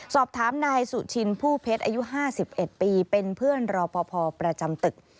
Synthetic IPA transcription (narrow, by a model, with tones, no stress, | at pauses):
sɔː˨˩p̚t̪ʰaː˩˦mnaː˧jsu˨˩t͡ɕʰi˧npʰuː˥˩pʰe˦˥t̪̚ʔaː˧ju˦˥ɦaː˥˩si˨˩p̚ʔe˨˩t̪̚piː˧pe˧npʰɯ˥˩ənɾɔː˧pʰɔː˧pʰɔː˧pɾa˧t͡ɕa˧mt̪ɯ˨˩k̚